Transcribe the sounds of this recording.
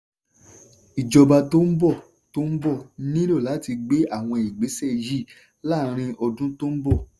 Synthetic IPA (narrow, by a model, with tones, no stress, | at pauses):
i˨d͡ʒɔ˧ba˧to˦m̩˦bɔ˦˨ | to˦m̩˦bɔ˦˨nĩ˦lo˦˨la˨˦ti˧ɡ͡be˦a˦˨w̃ɔ̃˧i˨ɡ͡be˨˦sɛ˦˨ji˦˨ | la˦˨ɾ̃ĩ˧ʔɔ˧dũ˦to˦m̩˦bɔ˦˨